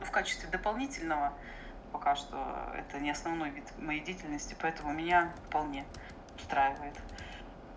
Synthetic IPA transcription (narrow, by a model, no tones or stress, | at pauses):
fkat͡ɕɪ̥st̪vʲɪd̪əpɐlˠnʲitʲɪlʲnəvə | pɐkaʂt̪o̰ɛ̰t̪ənʲɪɐsnɐvno̞jvʲit̪mɐjejdʲeitʲɪlʲnəsʲtʲɪpɐɛt̪əmʊmʲɪnʲafpɐlˠnʲe̞ | ʊst̪ɾajɪvəjɪt̪